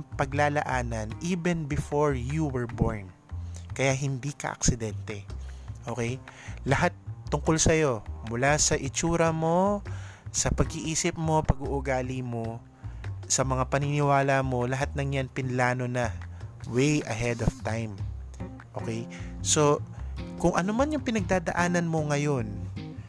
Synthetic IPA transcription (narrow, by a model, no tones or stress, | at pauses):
pɐɡlaːlɐ̰ʔaːnɐnʔiːbɛnbɪfoɹjuwɛɹboɹn | kɐjaɦɪnd̪ikɐ̰ʔɐ̰ksɪd̪ɛnt̪ɛʔo̞ːkɛjlɐɦat̪ːʊŋkolsɐjo̞mʊlasɐʔɪt͡ʃuːɾɐmo̞ | sɐpɐɡiʔiːsɪp̚mo̞pɐɡuʔʊɡaːlɪmo̞ | sɐmɐŋapɐnɪnɪwaːlɐmo̞lɐɦat̪̚nɐŋjanpɪnlaːno̞nɐwejʔɐ̰ɦɛd̪oft̪ajm | ʔo̞ːkɛjso̞kʊŋʔɐnomanjʊŋpɪnɐɡ̚d̪aːd̪ɐ̰ʔaːnɐnmo̞ŋɐjo̞n